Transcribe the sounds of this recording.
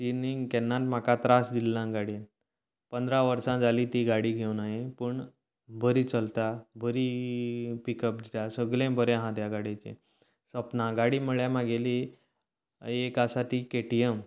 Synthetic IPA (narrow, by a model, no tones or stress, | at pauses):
siniŋɡkɛnːat̪m̤akat̪ɾasd̪ilːãɡaɽin | pənd̪ɾaʋəɾsãd͡zaliːt̪iɡaɽiːɡʱewnaɦipəɳ | bʱəɾiːt͡səlt̪abʱəɾi | pikəp̚d̪it̪asəɡlẽbʱəɾẽɦãt̪jaɡaɽit͡ɕḛ̃ | səpnãɡaɽiːməɭjamaɡeli | ekasaʈiːkeʈijəm